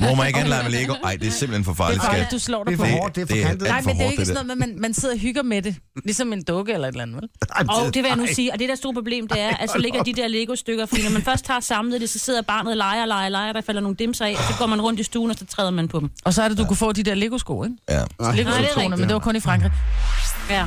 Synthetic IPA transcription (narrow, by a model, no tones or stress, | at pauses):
mɔmɑnɡ̥ænlɑɪmenleɡoʔɑɪ̰d̥e̝æɐsemb̥l̩enfɒfɑ̥̈ːli̥sɡduslɒ̰ːd̥e̥ | nɑ̈ɪmendeʊeɡsno̽ð̩ˠmeð̩ˠmænmænse̝ð̞̰ˠɐɦyɡ̥ɐmed̥e̝ | lisɒ̽me̝nd̥ɔ̽ɡ̥əelɐe̝d̥lænð̩ˠʋelɒd̥eʋejanusiːɒ̽d̥e̝d̥æɐsdo̝ɐ̰pʰoble̝ːmd̥e̝æɐʔæsɒ̽le̝ɡɐd̥id̥eɐ̰leɡ̥o̝sd̥øɡ̥ɐfɒ̽d̥ḭːnɒmænfɶɐsd̥hɑ̰̈ːsɑ̈mlð̩ˠd̥e̝sɒ̽se̝ð̞̰ˠɐb̥ɑ̰̈ːnð̩ˠlɑ̈ɪɐlɑ̈ɪɐlɑ̈ɪɐɾ̥ɑ̈fælɐno̝ːn̩d̥e̝msɑɪɛ̰ɒsɒ̽ɡ̥ɔ̰ːmænʁɔ̽n̰d̥isd̥uːn̩ɒsɒt͡sʰʁɛːðˠɐmænpʰɒd̥m̩ɒ̽sɒæɐɾed̥ukʰufɔ̰̽ːd̥id̥eɐ̰leɡ̥o̝sɡ̥o̰ːeŋleɡosnɐmend̥eʋɑkʰɔ̽nifʁɑ̈ŋɡ̥ʁḭ | æ